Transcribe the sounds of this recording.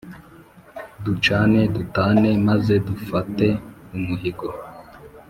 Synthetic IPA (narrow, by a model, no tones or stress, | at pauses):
dut͡ʃane̞dutaːne̞maze̞dufate̞umuhiɡo